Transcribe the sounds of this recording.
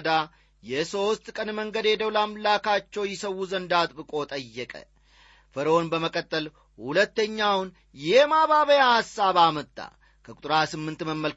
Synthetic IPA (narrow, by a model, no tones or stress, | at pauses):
d̪a | jɛso̞st̪ʼkʼənməŋɡəd̪jɛd̪əwlamlakat͡ʃːɛwjɪsəwːuzənd̪at̪ʼbɨkʼo̞t̪ʼəjːɛkʼə̰ | fəɾonbəməkʼət̪ʼːəl | hulət̪ːəɲːawn | jɛmaβaβəjahasːaβamət̪ʼːa̰ | kʰəkʼʊt̪ʼɾasɨmːɨnt̪məmːəl